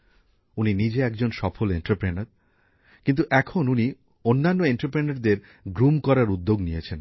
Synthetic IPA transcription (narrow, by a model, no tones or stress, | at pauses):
uninid͡ʑeɛkd͡ʑonʃɔfoleɳʈaɾpɾenaɾ | kint̪uʔɛkʰonuni | onːanːoeɳʈaɾpɾenaɾd̪eɾ | ɡɾumkɔɾaɾud̪ːoɡnijet͡ɕʰen